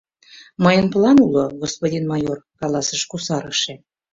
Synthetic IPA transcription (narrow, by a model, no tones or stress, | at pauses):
məjənplɑnuloɡospodʲinmɑjorkɑlˠɑsəʃkusɑɾə̆ʃĕ